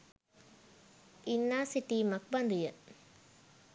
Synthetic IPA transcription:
inːaːsiʈiːmɐk̚bɐnd̪ujɐ

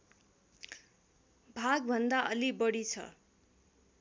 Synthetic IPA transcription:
bʱaɡ̚bʱʌnd̪aʔʌlibʌɽit͡sʰʌ̰

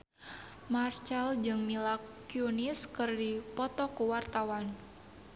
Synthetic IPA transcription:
mart͡ʃald͡ʒɨŋmilakːjunɪskɨrdipɔt̪ɔkuwart̪awan

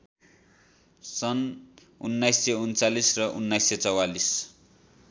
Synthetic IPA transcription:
sʌn | unːajsːeunt͡salisrʌʔunːajsːet͡sʌwalis

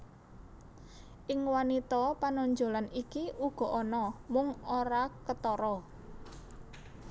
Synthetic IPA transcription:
ʔɪŋwanit̪ɔpanɔɲd͡ʒo̤lanikiʔuɡ̥ɔ̤ʔɔnɔmʊŋoɾakət̪ɔɾɔ

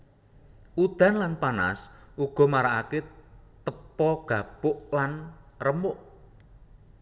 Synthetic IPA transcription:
ʔud̪̥a̤nlanpana̰sʔuɡ̥ɔ̤maɾaʔaket̪əpɔɡ̥a̤b̥ʊʔlanrəmʊʔ

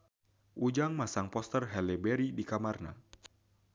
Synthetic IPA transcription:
ʔud͡ʒaŋmasaŋpɔst̪ərɦɛlɛbɛɾidikamarna̰

